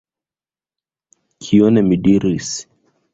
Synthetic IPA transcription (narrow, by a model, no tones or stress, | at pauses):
kʰiɔnɛmidiɾis